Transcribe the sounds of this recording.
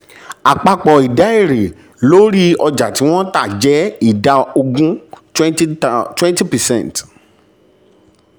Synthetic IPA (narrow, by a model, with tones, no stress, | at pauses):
a˨k͡pa˧k͡pɔ˨i˨da˨˦e˦˨ɾe˨ | lo˦ɾi˦ɔ˧d͡ʒa˨ti˨˦w̃ɔ̃˦ta˦˨d͡ʒɛ˨˦i˦˨da˧˦o˧ɡũ˦twɛ̃˦twɛ̃˦nti˦pɛ˨sɛ̰̃˦˨n˨t